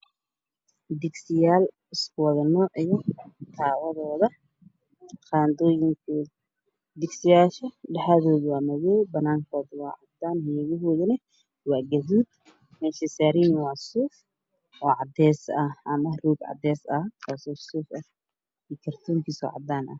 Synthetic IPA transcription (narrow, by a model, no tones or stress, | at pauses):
d̪ɪɡsɪjaːl | ɪskʰʊwɐðɐnɔːʔijɔt̪ʰaːwɐðɔːðɐ | qaːnd̪ɔːjɪŋkʰɛ | d̪ɪɡsɪjaːʃɐɖɐħaðɔːðɪwaːmɐɣɛːjbɐnaːŋkʰɔːðwɑ̰ːʕɑd̪aːnhɛɣɐɦɔːðɪnɐ | wɑːɡɐðiːd̪ | mɛːʃɐsaɾiːnwaːsuːf | ʔɔːʕɑd̪ɛːsɐhʔɐmɐruːɡʕɑ̰d̪ɛːsɐhʰaːsɔːsuːfɐh | iːkʰɐrt̪ʰuːŋkʰiːsɔ̰ʕɑ̰d̪aːnʔɐ̰h